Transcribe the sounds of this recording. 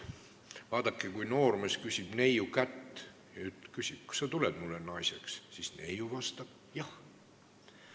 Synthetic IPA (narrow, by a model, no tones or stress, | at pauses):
vɑːd̪̥ɑkːˑekujno̞ːrmeskysʲib̥ne̞jukæt̪ː | jyt̪kysʲib̥̚ku̥sɑt̪uled̪̥mulːenɑjse̞kssisne̞̰juvɑst̪ɑb̥ | jɑh